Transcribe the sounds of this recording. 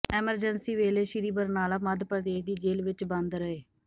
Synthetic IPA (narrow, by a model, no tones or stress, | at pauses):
ɛːməɾd͡ʒənsiːʋeːleːʃɪɾiːbəɾnaːlaːməd̪pɾəd̪eːʃd̪iːd͡ʒeːlʋɪt͡ʃbə̃nd̪ɾəeː